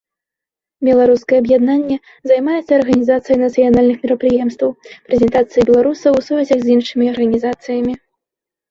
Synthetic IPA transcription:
bʲɛlˠaɾuskɐjɛɐbjad̪nanʲːɛ | zajmajɛt̪sːɐːrɣɐnʲizat̪sɨjɐjnɐt̪sɨjanalʲnɨxmʲɛɾɐpɾɨjɛmst̪vɐwpɾʲɛzʲɛnt̪at̪sɨjibʲɛlˠaɾusɐwsuvʲɛzʲɐɣzʲinʂɨmʲiɐrɣɐnʲizat̪sɨjɐmʲi

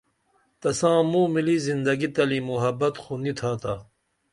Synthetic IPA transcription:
t̪ɐsãːmuːmilizind̪ɐɡit̪ɐlimuɦɐbɐt̪xunit̪ʰaːt̪a

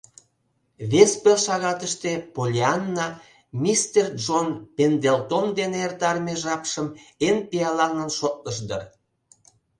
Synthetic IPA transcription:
βespelʃɑɣɑt̪əʃt̪e̽polʲeanːɑ | mʲist̪erd͡ʒonpend̪elt̪omd̪eneːrt̪ɑrmeʒɑpʃəmenpiɑlɑŋənʃot̪̚nəʃ̬d̪ə̰r

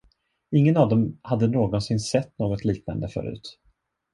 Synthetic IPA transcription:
ɪŋːənɑvd̪ɔmhad̪ːənoːɡɔnsɪnsɛt̪ːnoːɡɔt̪liːkna̰nd̪əfœ̰ːɾʉ̟̰ːt̪

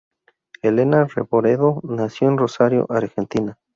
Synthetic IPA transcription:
elenarḛβoɾeðonasjoenrosaɾjo̰ʔaɾxent̪ina

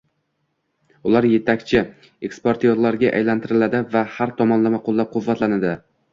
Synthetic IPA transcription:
ʊlaɾje̞t̪ʰakʲt͡ʃʰɪ | ekspoɾt̪ʰijoɾlaɾɡʲaʔa̰jlant̪ʰɪɾɪlad̪ɪvahaɾt̪ʰɒmɒnlamaqʰolˠːap̚qʰʊvːat̪lanad̪ɪ

